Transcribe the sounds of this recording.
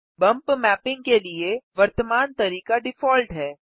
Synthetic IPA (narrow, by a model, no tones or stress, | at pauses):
bɐ̃mpmɛːpɪ̃ŋɡkelieʋɐɾt̪əmaːnt̪ɐɾiːkaɖɪfɔːlʈɦɛː